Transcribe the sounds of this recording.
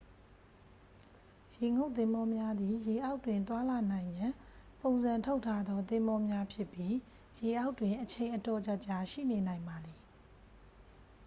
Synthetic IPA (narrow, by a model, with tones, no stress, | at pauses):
je˨ŋo˦ʊʔt̪ɪ̃˦mbɔ˦mja˦d̪ði˨je˨ʔa˦ʊtːwɪ̃˨nt̪̬wa˦la˨nã˨ɪ̃jã˨põ˨ʊ̃nzã˨ntʰo˦ʊʔtʰːa˦d̪ɔ˦t̪̬ɪ̃˦mbɔ˦mja˦pʰjɪ˦pji˦ | je˨ʔa˦ʊtːwɪ̃˨ʔət͡ɕʰẽ˨ɪ̃ʔətɔ˨t͡ɕa˦ʔt͡ɕa˨ʃḭ˦˨ne˨nã˨ɪ̃mba˨d̪i˨